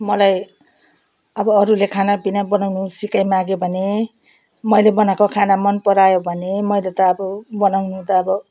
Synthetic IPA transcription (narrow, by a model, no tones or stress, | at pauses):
mʌlaj | ʌbʌːɾulekʰanabinabʌnawnusikajmaɡjobʱʌne | mʌjlebʌnakokʰanamʌnpʌɾajobʱʌnemʌjlet̪ʌːbʌbʌnawnut̪ʌːbʌ